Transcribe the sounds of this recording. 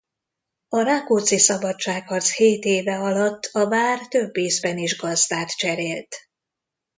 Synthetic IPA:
ɒɾakoːt̪sisɒbɒtt͡ʃːaːkhɒrt̪sheːt̪eːvɛɒlɒt̪ːɒvaːrt̪øbːeːzbɛniʒɡɒzd̪aːt̪t͡ʃɛɾeːlt̪

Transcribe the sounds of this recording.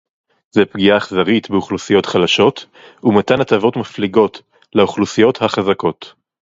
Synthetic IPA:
zepɡiaχzaʁit̪beuχlusijo̞tχalaʃo̞t | umatanatavo̞tmafliɡo̞t | leuχlusijo̞thaχazako̞t

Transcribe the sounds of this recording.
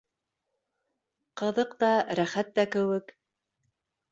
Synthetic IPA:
qɤ̆ðɤqt̪ɑɾæχæt̪̚ːækɘ̆wɘk

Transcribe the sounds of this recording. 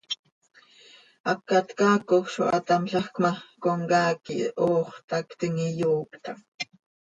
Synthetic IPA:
ʔɑkːat̪kɑːkoχʃo̰ʔɑ̰t̪ɑmɬɑxkmɑkoŋkɑːkioːχt̪ɑkt̪iŋijuːkt̪ɑŋ

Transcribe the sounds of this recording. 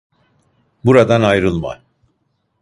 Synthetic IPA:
buɾad̪anajɾɯlˠma̰

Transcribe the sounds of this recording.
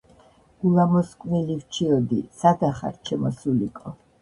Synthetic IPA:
ɡ̥ulˠamɔskʼnilivt͡ʃʰiɔd̪isad̪aχa̰ɾt͡ʃʰɛmɔsulikʼɔ

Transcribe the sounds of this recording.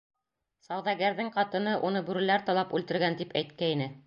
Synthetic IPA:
sɑwðɑɡæɾðɘŋqɑt̪ɤ̆nɤʔunɤbʉɾɘ̆læɾt̪ɑlˠɑpʉlt̪ɘ̆ɾɡænt̪ipæjt̪kæinɘ

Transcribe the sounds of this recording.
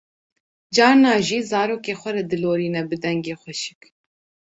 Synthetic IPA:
d͡ʒɑːɾnɑːʒiːzɑːɾoːkeːxʷɛɾɐd̪ɨloːɾiːnɛbɨd̪ɛŋɡeːxʷɛʃɨ̥k

